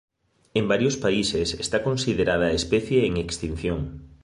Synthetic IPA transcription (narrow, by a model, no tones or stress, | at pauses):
embaɾjospaisesest̪akonsiðeɾað̞ɐespɛθjeːŋekst̪in̟θjoŋ